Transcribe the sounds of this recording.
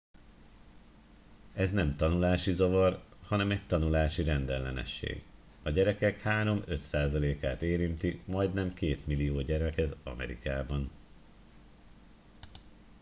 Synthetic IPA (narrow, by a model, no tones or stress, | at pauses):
ɛznɛmt̪ɒnulaːʃizo̞vɒrhɒnɛmɛct̪ɒnulaːʃiɾɛnd̪ɛlːɛ̰nɛ̰ʃːḛːɡ | ɒɟɛɾɛkɛkhaːɾo̞mø̞t̪saːzɒleːkaːt̪eːɾint̪imɒjd̪nɛmkeːt̪milijoːɟɛɾmɛkɛzɒ̰mɛ̰ɾḭkaːbɒn